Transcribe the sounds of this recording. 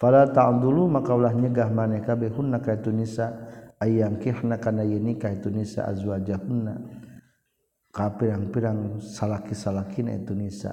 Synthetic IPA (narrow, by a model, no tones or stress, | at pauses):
falat̪aund̪ulumakaulahɲəɡahmanakabɛɦunːakait̪unisaajaŋkiħnakanajənikait̪unisa̰ʔa̰zuad͡ʒahunːa | kapiɾaŋpiɾaŋsalakisalakina̰ḭt̪unisa̰